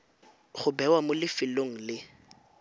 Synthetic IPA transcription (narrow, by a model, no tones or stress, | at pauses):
χʊbɛwamʊlɪfɪloŋ̩lɪ